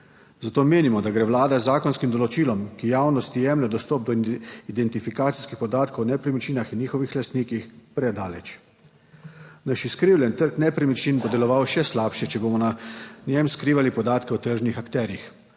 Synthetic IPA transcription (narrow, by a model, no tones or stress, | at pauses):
zat̪oːmeːnimɔd̪aɡɾɛʋlaːd̪azːaːkɔnskimd̪ɔlɔt͡ʃiːlɔmkijawnɔst̪ijɛmlʲɛd̪ɔst̪ɔːp̚d̪ɔid̪ɛnt̪ifikaːt̪si̥skixpɔd̪aːt̪kownɛpɾimit͡ʃiːnaxinɲiːxɔʋixlast̪niːkixpɾɛd̪aːlɛt͡ʃ | naʃiskɾiːwlʲɛnt̪əɾknɛpɾimit͡ʃinbɔd̪ɛlɔʋawʃɛslaːpʃɛt͡ʃɛboːmɔnanʲjɛmskɾiːʋalipɔd̪aːt̪kɛwt̪əɾʒnixakt̪ɛːɾjix